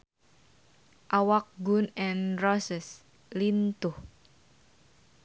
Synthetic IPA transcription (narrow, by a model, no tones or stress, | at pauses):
ʔawak̚ɡunɛnrɔsəs | lint̪uh